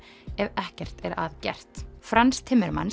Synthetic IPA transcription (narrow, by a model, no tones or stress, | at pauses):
ɛvɛhcɛr̥t̪ɛɾa̰ðcɛ̰r̥t̪fɾanst̪ʰɪmːɛɾma̰n